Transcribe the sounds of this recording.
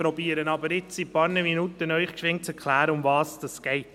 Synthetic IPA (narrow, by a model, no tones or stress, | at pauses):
pɾɔbiːəɾənɑbəɾɪt͡sipɑːɾnəminut̪ənœʏχkʃʋɪŋt͡sɛɾkʰχlæːɾəʊmvɑːsd̥ɑsɡ̥ɛɪt